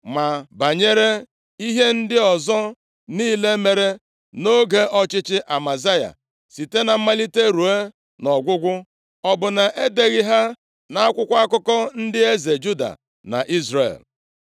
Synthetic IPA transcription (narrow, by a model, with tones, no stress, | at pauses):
ma˨ba˨ɲe˦ɾe˦ | i˦ɦe˦n̩˦dɪ˦ɔ˨zɔ˦ | niː˦le˦me˨ɾe˦ | no˦ɡe˦ʔɔ˦t͡ʃɪ˦t͡ʃɪ˦ʔa˨ma˨za˦ja̰˨ | si˨te˦na˨m̩˦ma˦li˦te˦ɾu˨e˦ | nɔ˨ɡʷʊ˦ɡʷʊ˦ | ɔ˦bʊ˨na˨ʔe˦de˨ɣɪ˦ɦa˦ | na˦a˦kʷʊ˦kʷa˦kʊ˦kɔ˦n̩˦dɪ˦e˦ze˨d͡ʒu˦da̰˨ | na̰˨ʔi˦zɾḛ˨l